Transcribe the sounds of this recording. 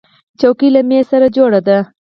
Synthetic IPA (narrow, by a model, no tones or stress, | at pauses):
t͡ʃokilamesaɾad͡ʒoɽad̪a